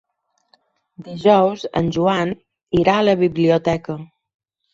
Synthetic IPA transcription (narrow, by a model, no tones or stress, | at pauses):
d̪iʒɔwzə̰nʲʒuan | iɾaələβiβliut̪ɛkə